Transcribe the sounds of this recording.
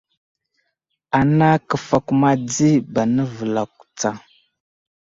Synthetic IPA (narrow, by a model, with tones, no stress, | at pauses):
a˨na˦kə˨fa˨ku˨ma˦d͡zi˦ba˨nə˦və˨la˨ku̥˨t͡sa˨